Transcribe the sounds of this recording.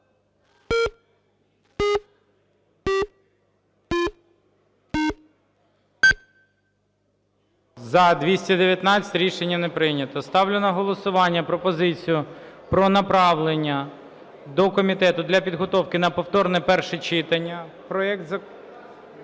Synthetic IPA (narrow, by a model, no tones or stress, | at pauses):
zɐd̪ʋʲisʲtʲɐd̪eʋʲjɐt̪nɑt͡sʲɐ̥tʲɾʲiʃenʲːɐnepɾɪnʲɐt̪ɔst̪ɑwlʲenɐɦɔlˠɔsʊʋɑnʲːɐpɾɔpɔzɪt͡sʲijʊpɾɔnɐpɾɑʋlˠenʲːɐ | d̪ɔkɔmʲit̪ɛt̪ʊd̪lʲɐpʲid̪ɦɔt̪ɔwkɪnɐpɔwt̪ɔrnɛpɛrʃɛt͡ʃɪt̪ɐnʲːɐpɾɔɛk̚t̪zɐ